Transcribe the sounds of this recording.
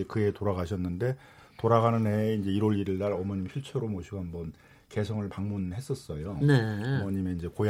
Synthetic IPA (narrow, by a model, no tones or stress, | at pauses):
ekɯe̞toɾaɡaɕʰʌnːɯnde̞ | toɾaɣanɯnɦeind͡ʑe̞iɾoɾiɾiɭdaɾʌmʌɲimɕʰiɭt͡ɕʰeɾomoɕʰiɡoɦambʌn | ke̞sʰʌŋɯɭpaŋmunhe̞s͈ʌs͈ʌjoneamʌɲimjeind͡ʑe̞koj